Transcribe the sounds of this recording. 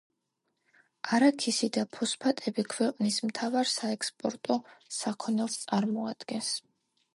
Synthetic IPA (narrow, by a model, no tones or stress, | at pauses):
aɾakʰisid̪apʰɔspʰat̪ʼɛbikʰwɛqʼnismt̪ʰavaɾsaɛkspʼɔɾt̪ʼɔsakʰɔnɛlˠst̪sʼaɾmɔad̪̥ɡɛns